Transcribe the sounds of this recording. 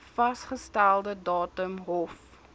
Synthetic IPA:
fɐsχəstælˠdədɑːtəmɦɔf

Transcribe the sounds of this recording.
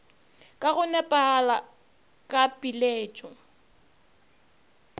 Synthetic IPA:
kʼaɣʊnɛpʼala | kʼapʼileːt͡ʃʼɔ

